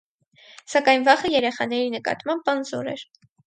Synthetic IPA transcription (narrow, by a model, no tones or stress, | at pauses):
sɑkɑjnvɑχəjɛɾɛχɑnɛɾinəkɑ̰t̪mɑmbɑnzɔɾɛ̰ɾ